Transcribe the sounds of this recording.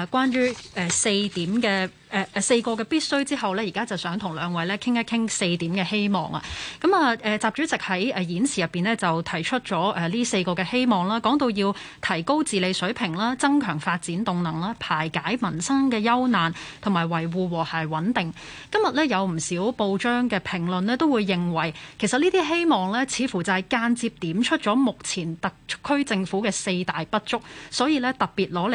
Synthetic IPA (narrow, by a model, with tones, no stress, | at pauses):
kwaː˥njyː˥ɛː˨˩se˧jt̪iː˨˥mkɛː˧ | ɛː˨˧se˧jkɔː˧kɛː˧piː˥t̚sɵ˥ɥt͡siː˥ɦɐ˨wlɛː˥jiː˨˩kaː˥t͡sɐ˨˩wsœː˨˥ŋt̪ʰʊ˨˩ŋlœː˨˧ŋwɐ˨˧jlɛː˥kʰɪ˥ŋjɐ˥kʰɪ˥ŋse˧jt̪iː˨˥mkɛː˧he˥jmɔ̰ː˨˩ŋɐ̰˧kɐ˨˥mɐː˨ʔɛː˨t͡saː˨p̚t͡ʃyː˨˥t͡sɪ˨k̚hɐ˨˥jɛ˨˧jiː˨˥nsʰiː˨˩jɐ˨˩pːiː˨nlɛː˥t͡sɐ˨wt̪ʰɐ˨˩jt͡ʃʰɵ˥t̚t͡ʃɔː˨˥ʔɛː˨˧liː˥se˧jkɔː˧kɛː˧he˥jmɔː˨˩ŋlaː˥kɔː˨˥ŋt̪o˧wjiː˧w | t̪ʰɐ˨˩jko˥wt͡siː˨le˨˧jsɵ˨˥pʰɪ˨˩ŋlaː˥t͡sɐ˥ŋkʰœː˨˩ŋfaː˧t̚t͡siː˨˥nt̪ʊ˨ŋnɐ˨˩ŋlaː˥pʰaː˨˩jkaː˨˥jmɐ˨˩nsɐ˥ŋkɛː˧jɐ˥wnaː˨nt̪ʰʊ˨˩ŋmaː˨˩jwɐ˨˩jwuː˧wɔː˨˩hɐː˨˩jwɐ˨˥nt̪ɪ˨ŋ | kɐ˥mjɐ˨t̚lɛː˥jɐ˨˧wm̩˨˩siː˨˥wpo˧wt͡ʃœː˥ŋkɛː˧pʰɪ˨˩ŋlɵ˨nlɛː˥t̪o˥wuː˨˧jːɪ˨ŋwɐ˨˩jkʰe˨˩jsɐ˨t̚niː˥t̪iː˥ɦe˥jmɔː˨ŋlɛː˥t͡sʰiː˨˧fuː˨˩t͡sɐ˨˩hɐ˨˩jkaː˧nt͡siː˧p̚t̪iː˨˥mt͡ʃʰɵ˥t̚t͡ʃɔː˨˥mʊ˨k̚t͡sʰiː˨˩nt̪ɐ˨kkʰːɵ˥ɥt͡sɪ˧ŋfuː˨˥kɛː˧se˧jt̪aː˨jpɐ˥t̚t͡ʃʊ˥k̚sɔː˨˥jiː˧lɛː˥t̪ɐ˨˩k̚piː˨t̚lɔː˨˥l